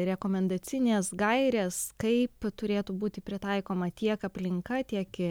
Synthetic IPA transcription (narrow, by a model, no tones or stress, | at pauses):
ɾʲɛkoːmʲɛnd̪ɐt͡s̪sʲɪnʲeːsɡɐɪɾʲeːskɐɪpt̪ʊɾʲeːt̪uːbuːt̪ʲɪpʲɾʲɪt̪ɐɪkoːmɐt̪ʲiɛkɐpʲlʲɪŋkɐt̪ʲiɛkɪ